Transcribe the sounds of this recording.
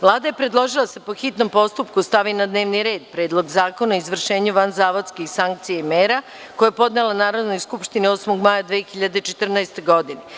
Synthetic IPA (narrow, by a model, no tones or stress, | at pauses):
ʋlˠaːd̪ajepɾed̪lˠo̞ʒilˠaasepoxit̪no̞mpo̞st̪upkust̪aʋinad̪neːʋniɾe̞ːd̪pɾeːd̪lˠo̞ɡzaːkonaoizʋr̩ʃe̞ːɲuʋanzaːʋod̪skixsaŋk̚t̪sijaimeːɾa | ko̞japo̞d̪nelanaːɾo̞d̪no̞jskupʃt̪iniosmoɡmajad̪ʋeːxiʎad̪et͡ʃe̞t̪r̩naest̪eɡo̞d̪ine